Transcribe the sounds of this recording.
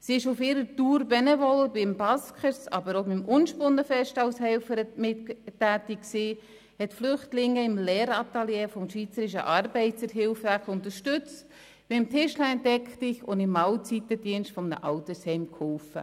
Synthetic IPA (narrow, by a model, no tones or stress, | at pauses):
siɪʃʊfɪːɾətuːɾbɛnɛvɔlbɪmbɑskχəɾsɑbəɾobɪmʔʊnʃpʊnːəfɛʃtɑʊsɦɛlfəɾəmɪttæːtikksiː | hɛtflʏχtlɪŋːəɪmlɛːɾɑt̪aljeːfɔmʃʋiːt͡səɾɪʃə̰ʔɑɾbɛɪt͡səɾɦɪlfækʊntəɾʃtʏt͡st | b̥ɪmtʰɪʃlɛɛntɛkχtɪçʊndɪmːɑwt͡sit̪əd̥iənʃtfɔmnə̰ʔɑʊtəshɛɪmkhɔlfə̰